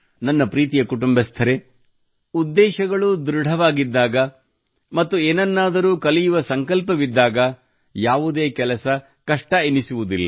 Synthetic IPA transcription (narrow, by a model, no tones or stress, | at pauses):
nɐnːɐpɾiːt̪̬ijɐkuʈumbɐst̪ʰɐɾe̞ | ud̪ːɛːʃɐɡɐɭud̪uɾɽʱɐʋaːɡid̪ːaːɡɐ | mɐt̪ːueːnɐnːaːd̪ɐɾuːkɐlijuʋɐsɐŋkɐlpɐʋid̪ːaːɡɐ | jaːʋud̪e̞ːkɛlɐsɐ | kɐʂʈɐenisuʋud̪ilːɐ